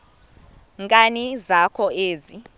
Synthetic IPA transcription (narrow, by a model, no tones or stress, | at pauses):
ŋkʼanizakʰɔeːzi